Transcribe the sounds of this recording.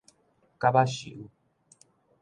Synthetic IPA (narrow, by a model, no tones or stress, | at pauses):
kabaɕḭʔu